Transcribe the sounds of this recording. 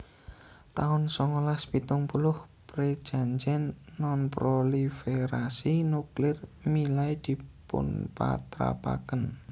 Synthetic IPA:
t̪aʊnsɔŋɔlaspit̪ʊŋpulʊhpɾed̥ʒ̥a̤ɲd͡ʒɛnːɔnpɾolifeɾasinuklɪrmilajd̪̥i̤pʊ̰npa̰t̪ɾa̰pa̰kən

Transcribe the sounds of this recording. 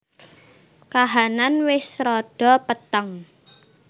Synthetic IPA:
kaɦananwɪsɾɔɖ̥ɔ̤pət̪əŋ

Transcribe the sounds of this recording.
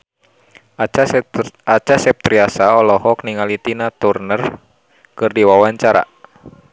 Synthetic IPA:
at͡ʃasɛp̚t̪ɾiasaɔlɔɦɔkniŋalit̪inat̪urnər | kɨrdiwawaɲt͡ʃaɾa̰

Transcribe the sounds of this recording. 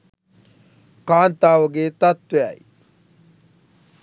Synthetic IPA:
kaːnt̪aːʋəɡeːt̪at̪ʋeɐ̰j

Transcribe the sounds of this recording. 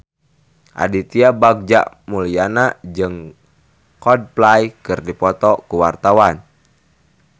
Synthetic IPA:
ʔa̰dit̪iabaɡ̚d͡ʒa̰ʔ | mulianad͡ʒɨŋ | kɔd̚plajkɨrdipɔt̪ɔkuwart̪awan

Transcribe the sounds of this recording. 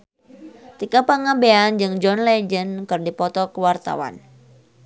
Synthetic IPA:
t̪ikapaŋabeand͡ʒɨŋd͡ʒɔnlɛd͡ʒənkɨrdipɔt̪ɔkəwart̪a̰wa̰n

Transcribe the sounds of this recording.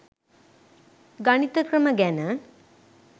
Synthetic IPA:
ɡɐnit̪əkrəməɡænə

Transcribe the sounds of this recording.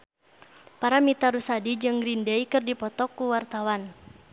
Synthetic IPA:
paɾamit̪aɾusadid͡ʒɨŋɡɾindɛjkɨrdipɔt̪ɔkːuwart̪awan

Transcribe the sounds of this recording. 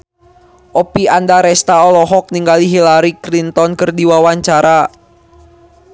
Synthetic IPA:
ʔɔpiandaɾɛst̪aɔlɔɦɔk̚niŋɡaliɦilaɾikɾint̪ɔnkərdiwawaɲt͡ʃaɾa

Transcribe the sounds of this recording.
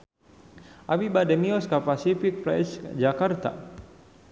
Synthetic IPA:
ʔabibadɛmiɔskapasifik̚pɾɛ̰sd͡ʒakart̪a̰

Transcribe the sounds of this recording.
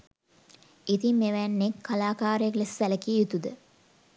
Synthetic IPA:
it̪imeʋænːekʰːalaːkaːɾəjəklesʋæləkijut̪ud̪ə

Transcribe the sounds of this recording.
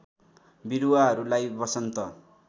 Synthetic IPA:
biɾuwaɦʌɾulajbʌsʌnt̪ʌ

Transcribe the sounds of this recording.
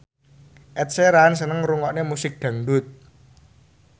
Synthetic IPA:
ʔɛt̪̚seɾans̬ənəŋɾuŋɔʔnemusɪk̚ɖ̪̥ä̤ŋdʊt̪̚

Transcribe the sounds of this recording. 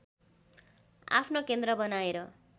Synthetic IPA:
a̰pʰnokend̪rʌbʌnaeɾʌ

